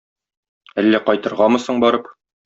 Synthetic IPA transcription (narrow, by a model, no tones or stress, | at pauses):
ælːæqɒjt̪ɤ̆ɾʁɑmɤ̆sɤɴbɒɾɤp̚